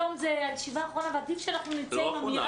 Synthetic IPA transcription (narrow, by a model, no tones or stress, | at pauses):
omzeajʃivaːχʁo̞navead̪ifʃeanaχnunimt͡saimaj